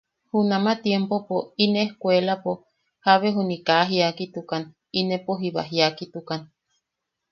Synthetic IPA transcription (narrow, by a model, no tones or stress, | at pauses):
hunamat̪jempopoineːhkʷelapo | haβeɦunikaɦiakit̪ukan | inepoɦiβa̰ɦiakit̪ukan